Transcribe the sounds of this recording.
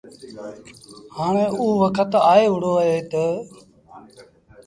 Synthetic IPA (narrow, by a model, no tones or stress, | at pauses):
haːɳ̃ẽːʔuːʋəkʰət̪aːeːʋʊɽoːəɦeːt̪əː